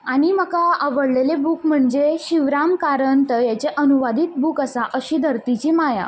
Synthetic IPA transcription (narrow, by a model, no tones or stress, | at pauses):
aɽ̃imakaəʋəɽlelebukm̤əɳd͡zeɕiʋɾamkaɾənt̪əjat͡ɕeʔənuʋad̪iːt̪̚bukəsaʔəɕiːd̪ʱəɾt̪it͡ɕiːmaja̰